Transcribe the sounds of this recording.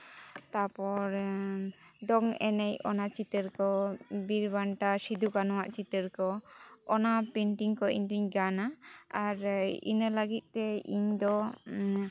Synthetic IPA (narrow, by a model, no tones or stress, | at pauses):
t̪apɔɾ | ɖɔŋɛ̰nɛjɔ̰nat͡ʃit̪əɾkɔbiɾbaɳʈasid̪ʱukanɔwaʔt͡ʃit̪əɾkɔɔnapɛɳʈiŋkɔʔḭɲd̪uɲɡanaaɾḭnələɡit̪̚ˀt̪ɛḭɲd̪ɔ